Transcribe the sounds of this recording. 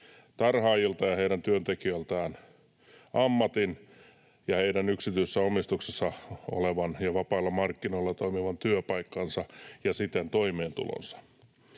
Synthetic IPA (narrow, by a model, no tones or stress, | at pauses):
t̪ɑrhɑːjilt̪ɑjɑheiɾænt̪yønt̪ekiølt̪ɑːn | ʔɑmːɑt̪in | jɑheidænyksit̪yisːæomist̪uksesːɑo̰leʋɑnjɑʋɑpɑːlːɑmɑrkːinoilːɑt̪oimiʋɑnt̪yøpɑikːɑnsɑjɑsit̪ent̪oimeːnt̪ṵlo̰nsɑ̥